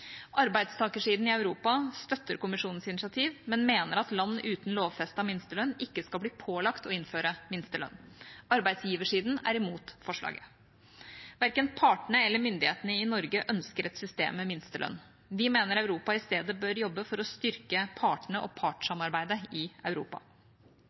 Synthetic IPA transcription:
ʔɑɾbæɪd̪st̪ʰɑːkəʂiːd̪n̩ɪɑʉɾuːpɑst̪œt̪ːəɾkʊmɪʂuːnn̩sɪnɪsɑt̪ʰiːʋmɛnmeːnəɾɑt̪lɑnːəʔʉːt̪n̩loːʋfɛst̪ɑmɪnst̪əlœnːɪkːəskɑlbliːpʰoːlɑkt̪ɔɪnføːɾəmɪnst̪əlœ̰nɑɾbæɪd̪sjiːʋəʂiːd̪næ̰ɾɪmuːt̪fɔʂlɑ̰ːɡə | ʋæɾkənpʰɑːʈɳəɛlːəɾmʏnd̪ɪheːt̪ənəɪnɔɾɡəʔœnskəɾɛt̪sʏst̪ḛːmːɛmɪnst̪əlœ̰nː | ʋɪmeːnəɾœʉɾuːpɑɪst̪eːd̪əbøɾjɔbːəfɔɾɔst̪ʏɾkəpʰɑːʈəɳəʔɔ̰pʰɑːʈə̥ʂɑmɑɾbæɪd̪əɪɑʉɾṵːpɑ̰

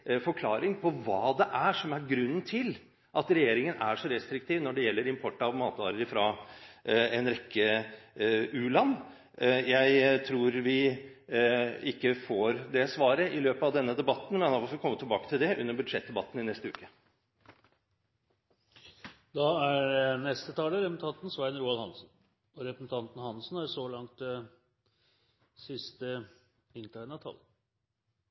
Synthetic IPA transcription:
fɔɾkʰlɑːɾɪŋpʰɔʋɑːd̪ɛʔæʂɔmæɾɡɾʉnːnt̪ʰɪl | ʔɑt̪ɾɛjeːɾɪŋənæʂɔɾɛst̪ɾɪk̚t̪ʰiːʋnɔɖɛjɛlːəɾɪmpʰɔʈːɑʋmɑːt̪ʋɑ̰ɾəəfɾɑ | ɛnɾɛkːə | ʉːlɑnː | jæɪt̪ʰɾuːɾʋɪ | ɪkːəfoːɾd̪ɛsʋɑːɾəʔɪløːpəɑʋd̪ɛnːəd̪ɛbɑt̪ːn̩mɛnɑɑfɔfɔkʰɔmːət̪ʰɪlbɑːkət̪ʰɪld̪ɛʔʉnːəɾbʉd̪ʂɛt̪̚d̪ɛbɑt̪ːn̩ɪnɛst̪əʉ̰ːkə | d̪ɑæɾnɛst̪ət̪ʰɑːləɾɛpsn̩t̪ʰɑnt̪n̩sʋæɪənɾuːɑlhɑnsn | ɔɾɛpɾəsn̩t̪ʰɑnt̪n̩hɑnsn̩æɾsɔlɑŋt̪̚ɛ | sɪst̪ə | ɪnt̪ʰæɪnɑt̪ʰɑ̰lːə

